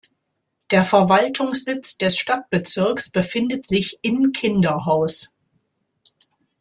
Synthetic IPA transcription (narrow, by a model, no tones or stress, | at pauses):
d̥eːɐfɛɐvaltʰʊŋsz̥ɪt͡sd̥ɛsʃtat̚b̥ət͡sɪɐksb̥əfɪndətz̥ɪçɪmkʰɪndɐɦaʊs